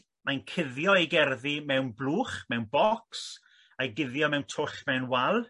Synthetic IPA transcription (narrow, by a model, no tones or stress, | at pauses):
mankʰɪðjɔiɡɛrðimɛwnblˠuːχmɛwnbɔks | aɡɪðjɔmɛwntʰʊɬmɛwnwalˠ